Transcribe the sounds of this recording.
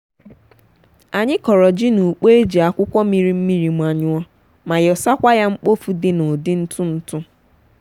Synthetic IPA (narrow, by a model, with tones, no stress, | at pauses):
a˨ɲɪ˦kɔ˨ɾɔ˨d͡ʒɪ˦nu˨k͡pe˦e˦d͡ʒi˨a˨kʷʊ˦kʷɔ˦mi˨ɾi˦m̩˦mi˦ɾi˨m˨a˨ɲʊ˦ɔ˦ | ma˨jɔ˨sa˦kʷa˦ja˦ŋ͡m̩˦k͡po˦fu˨dɪ˦nʊ˨dɪ˦n̩˦tʊ˦n̩˦tʊ˦